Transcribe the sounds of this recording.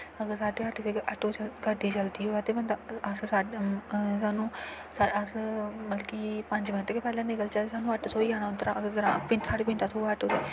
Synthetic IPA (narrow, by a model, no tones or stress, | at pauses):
əɡəɾsaːɖeːəʈd̪eəʈoːt͡ʃəlɡəɖiːt͡ʃəld̪iːɦoːaːt̪eːbənd̪aəssaː | saːnũː | saəsməlkiːpəɲd͡ʒmɪnʈːkeːpɛːlãːnɪkəlt͡ʃaːt̪esaːnũːəʈsoːiːaːñaːʊt̪əɾãːʔəɡəɾɡəɾãːpɪnsaːɽeːpɪ̃nd̪aːsoːəʈoːt̪eː